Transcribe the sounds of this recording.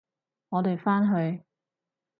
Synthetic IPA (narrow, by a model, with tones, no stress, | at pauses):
ŋɔː˨˧t̪e˨jfaː˥nɦɵ˧ɥ